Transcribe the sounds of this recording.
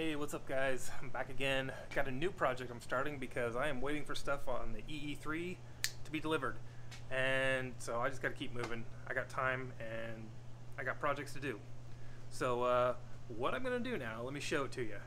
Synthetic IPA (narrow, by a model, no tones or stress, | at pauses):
heɪwɛtsʌp̚ɡ̥aɪz̥ãɪ̃mbækɨɡɛ̃nɡ̥ɑɾɨnʉpʰɹ̥ɑd͡ʒɛk̚ãɪ̃mstɑɹɾɪ̃ŋbɨkʰʌzaɪɨ̃mweɪɾɪ̃ŋfə˞stʌfn̩ðiʔiiθɹi | tʰəbidəlɪvə˞dɨ̃nsoʊaɪd͡ʒʌsɡ̥ɑɾtʰɨkʰip̚mʉvɪ̃ŋaɪɡɑtʰãɪ̃mɨ̃naɪɡɑt̚pʰɹ̥ɑd͡ʒɛk̚tstʰɨdɨ | soʊʌwʌɾãɪ̃mɡʌnɨdɨnaʊlɛt̚miʃoʊɨtʰɨjɨ